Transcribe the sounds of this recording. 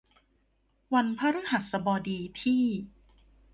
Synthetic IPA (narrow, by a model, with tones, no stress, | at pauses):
wa˧npʰaː˥ɾɯ˦˥ha˨˩t̪̚sa˧bɔː˧diː˧pʰiː˥˩